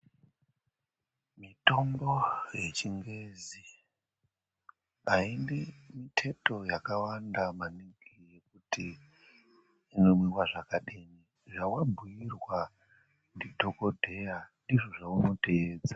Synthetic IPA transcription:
mito̞mbo̞je̞t͡ʃiŋɡe̞zi | ɦainemitʰe̞to̞jakawandamaniɡije̞k̚uti | no̞mwiwaʐakaɗini | ʐawabʱujirwa | ndidʱo̞ko̞dʱe̞jandiʐo̞ʐauno̞teeːd͡za

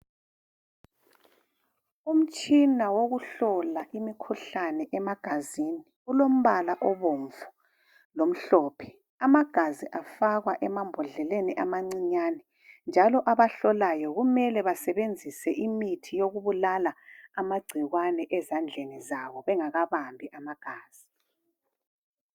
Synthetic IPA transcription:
um̩t͡ʃʼinawoɣuɬɔlaʔimikʰuɬanɛʔɛmaɡ̥ʱaziniɣulom̩βalaʔɔβoɱvu | lom̩ɬɔːpʰɛ̥ | amaɡ̥ʱaziʔafaɣwaʔɛmambʱɔɮɛleniʔamaŋ͡ǀiɲaːnɛ | nd͡ʒʱalɔʔaβaɬɔlajɔɣumɛlɛβasɛβend͡zʱisɛʔimitʰijoɣuβulalaamaɡ͡ǀʱiɣwanɛʔɛzand͡ɮʱenizaβɔβɛŋaɣaβambʱiʔamaɡ̥ʱaːz̥i

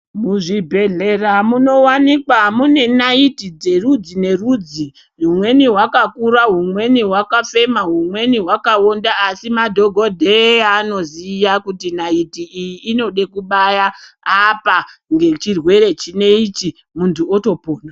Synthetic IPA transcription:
muʐibʱeɮe̞ramuno̞wanikwamune̞naitid͡ze̞rud͡zine̞rud͡zi | rumwe̞niɦwakakuɾaɦumwe̞niɦwakafe̞maɦumwe̞niɦwakaondaːsimadʱoɡʱo̞dʱeano̞zijakutinaitiːjiʔːno̞ɗe̞kuɓajaː | paŋɡe̞t͡ʃirwe̞ɾe̞t͡ʃine̞it͡ʃi | muntʰuoto̞poːna

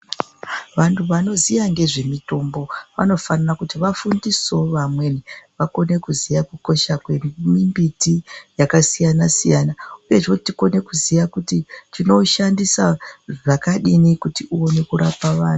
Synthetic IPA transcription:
ʋantʰuʋano̞zijaŋɡe̞ʐe̞mito̞mbo̞ʋa̰no̞fanarakutiʋafundiso̞ʋamwe̞niʋako̞ne̞kuzijakuko̞ʃakwe̞mimbitijakasijanasijanauje̞ʐotiko̞ne̞kuzijakutitino̞ʃandisaʐakaɗinikutiʔuwone̞kuɾapaʋaːnu

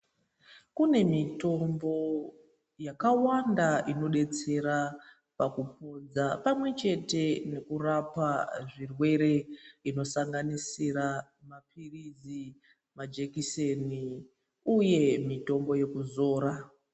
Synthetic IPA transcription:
kune̞mito̞mbo̞ | jakawandaino̞ɗe̞t͡se̞ɾa | pakup̚o̞d͡zapamwe̞t͡ʃe̞te̞ne̞kurapaʐirwe̞ɾe̞ino̞saŋɡanisiɾa | mapirid͡zi | mad͡ʒekiseni | uje̞mito̞mbo̞je̞kuzo̞ːɾa

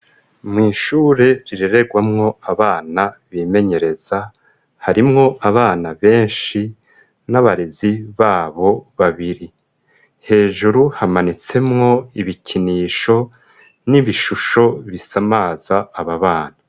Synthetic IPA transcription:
mŋiːʃuːɾe̞ɾiɾeɾe̞ɡwamŋo̞aβaːnaβiːme̞ɲe̞ɾe̞z̥a | haɾimŋo̞ʔaβaːnaβe̞ːnʃi | naβaɾeziβaːβo̞βaβiɾi | he̞ːʒuɾuhamanit͡se̞mŋo̞iβicʰiniːʃo̞ | niβiʃuʃo̞βisamaːzaːβaβaːna

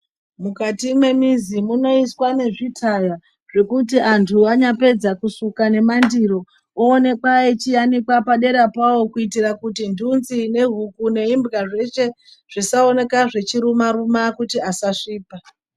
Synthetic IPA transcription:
mukatimwe̞mizimuno̞iswane̞ʐitʰaja | ʐ̥e̞kut̬iantʰuaɲape̞d͡zakusukane̞mandiɾo̞ | oːne̞kwaet͡ʃijanikwapaɗe̞ɾapawo̞kuitirakutindʱunzine̞ɦukune̞imbɣaʐe̞t͡ʃe̞ | ʐ̥isao̞ne̞kaʐe̞t͡ʃiɾumaɾumakutiasaʂiːpa

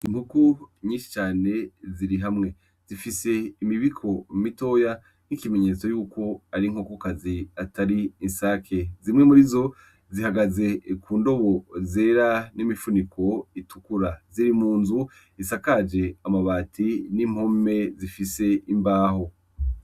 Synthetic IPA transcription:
imhukuɲiːʃi̥t͡ʃaːne̞ziɾiɦamŋe̞ | z̥ifise̞imiβikʰo̞mito̞ːja | nikimeɲe̞ːt͡so̞juːko̞aɾiŋhokokaziataɾiinsaːkʰe̞zimŋemuɾizo̞ | zihaɡaze̞kuːndo̞βo̞ze̞ːɾanimifunikʰo̞itukuɾaziɾimuːnzu | isakad͡ʒe̞amaβaːtʰinim̥ho̞me̞zifise̞imbaːho̞

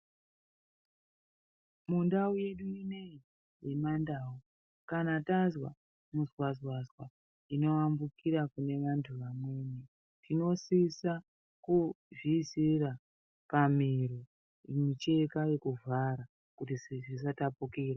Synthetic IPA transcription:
mundauje̞ɗuine̞i | je̞mandaːu | kanatazwa | muzwazwazwa | ino̞ʋambukʰiɾakune̞ʋantʰuʋamwe̞ːne | tʰino̞sisa | ku | visira | pamiɾo | mit͡ʃe̞kaje̞kuvaɾa | kutiʐis̬atapukiːra

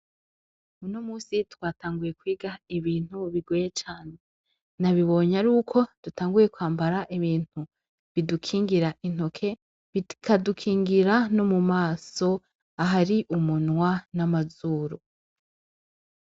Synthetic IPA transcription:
uno̞muːsitwaːtaːŋɡuje̞kwiːɡaiβiːn̥huβiɡwejet͡ʃaːne̞ | naβiβo̞ɲaɾuːkʰo̞d̥utaːŋɡuje̞kwaːmbaɾaʔiβiːn̥u | βidukʰiːŋɡiɾaʔin̥o̞kʰe̞ | βikʰadukʰiːŋɡiɾanomumaːso̞ | aɦaɾiʔumunwanamazuːɾo

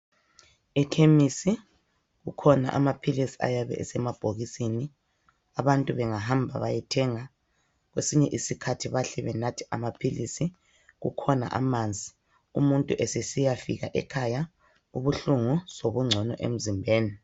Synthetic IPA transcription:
ɛtʰemisi | ɣukʰɔna̰ʔamapʰilisi̥a̰jaβɛ̰ʔɛsɛmab̥ʱoɣisini | aβantʼuβɛŋaɦambʱa̰βajɛtʰɛːŋa | ɣwesiɲɛʔisikʰatʰiβaɬɛβɛnatʰi̥ʔa̰mapʰilisi | ɣṵkʰɔna̰ʔa̰mand͡zʱi | umuntʼuʔesɛsijafiɣa̰ʔɛ̰kʰaja | uβuɬuŋusoβuŋ͡ǀʱɔnɔ̰ʔḛm̩zimbʱeːni

